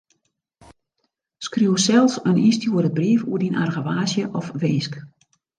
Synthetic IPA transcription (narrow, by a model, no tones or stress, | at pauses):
skruwsɛlˠsənʔistʰjuːədəbriːfṵədinʔa̰rɣəʋaːsjəʔɔfʋeːsk